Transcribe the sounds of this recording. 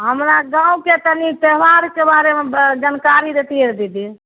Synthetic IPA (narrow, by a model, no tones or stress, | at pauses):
ɦəmɾaɡãũket̪ənit̪eɦʋaɾkebaɾemed͡ʒənkaɾiɾet̪ieɾd̪id̪i